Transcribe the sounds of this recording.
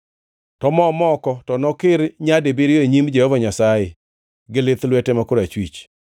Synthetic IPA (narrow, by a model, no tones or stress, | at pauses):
tɔmɔmɔkɔtɔnɔkɪɾɲadebiɾjoeɲimd͡ʒɛhɔvaɲasajɪ | ɡɪlɪt̪lwɛtɛmakoɾat͡ʃwit͡ʃ